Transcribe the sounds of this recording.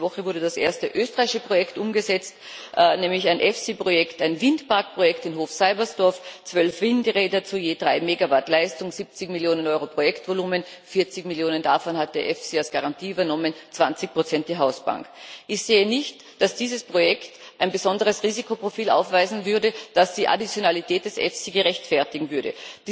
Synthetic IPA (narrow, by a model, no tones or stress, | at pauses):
vɔχəvʊɐdədasʔḛːɐstəʔøːstəʁaɪʃəpʁ̥ojɛktʔʊmɡəzɛt͡st | ʔnɛːmlɪçaɪnʔɛfsipʁ̥ojɛktaɪnvɪndpaɐk̚pʁ̥ojɛktɪnɦoːfsaɪbɐsd̥ɔɐft͡sv̥œlfv̥ɪndʁeːdɐt͡sujeːdʁaɪmeːɡavatlaɪstʊŋz̥ip̚t͡sɪçmiljoːnənʔɔʏʁopʁ̥ojɛktvoluːmənfɪɐt͡sɪçmiljoːnəndafɔnhat̚d̥eːɐʔɛfsialsɡ̥aʁantʰiːybɐnɔmənt͡sv̥ant͡sɪçpʁ̥ot͡sɛnt̚d̥iːɦaʊsb̥a̰ŋkʔɪçz̥eːənɪçt | d̥asd̥iːzəspʁ̥ojɛktʔaɪnbəzɔndəʁəsʁiːzikʰopʁ̥ofiːla̰ʊfv̥aɪzn̩vʏɐdəd̥asd̥iːʔa̰dit͡sjonalitʰɛːt̚d̥ɛsʔɛ̰fsiɡəʁɛçtfɛɐtɪɡŋ̩vʏɐɾə̰̥